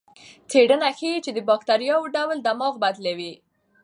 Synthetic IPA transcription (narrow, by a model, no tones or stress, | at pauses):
t͡seɖənaxeit͡ʃed̪əbɑkt̪aɾijɑwɖawld̪amɑɣbad̪lawi